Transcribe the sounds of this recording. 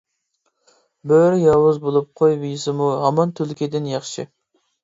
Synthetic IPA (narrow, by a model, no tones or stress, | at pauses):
bøɾjɑwʊzbolˠup̚qʰojvijisɨmuɦɑmɑnt̪ʰylkʲid̪ɪnjɑχʃɪ